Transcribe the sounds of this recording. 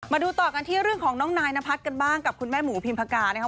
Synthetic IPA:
maː˧duː˧t̪ɔː˨˩ka˧nt̪ʰiː˥˩ɾɯ˥˩ŋkʰɔː˩˦ŋnɔː˦˥ŋnaː˧jna˦˥pʰa˦˥t̪̚ka˧nbaː˥˩ŋka˨˩p̚kʰu˧nmɛː˥˩muː˩˦pʰi˧npʰa˧kaː˧na˦˥ka˦˥

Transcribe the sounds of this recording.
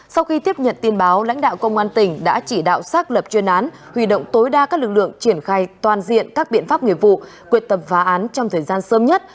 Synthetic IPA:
sa˧wxi˧t̪i˦˥əp̚ɲə̰˧˨nt̪i˧ənɓaː˨˦wla̰˧˥jŋ̟ɗa̰ː˧˨wkə˧wŋ͡mʔaː˧nt̪ï˨˩ŋ̟ɗa̰ː˧˥t͡ɕi˧˩ɗa̰ː˧˨wsaː˦˥k̚lə˨˩p̚t͡ɕwi˧nʔaː˨˦n | hwi˧˩ɗo̰˧˨wŋ͡mt̪o˨˦jɗaː˧kaː˦˥k̚lɨ˨˩k̚lɨ̰˧˨əŋt͡ɕi˧˩ənxaː˧jt̪waː˨˩nzḭ˧˨ənkaː˦˥k̚ɓḭ˧˨ənfa˦˥p̚ŋḭ˧˨əvṵ˧˨ | ki˨˩ət̚t̪ə˨˩mfaː˨˦ʔaː˨˦nt͡ɕɔ˧ŋ͡mt̪ʰəː˨˩jzaː˧nsəː˨˦mɲə˦˥t̚

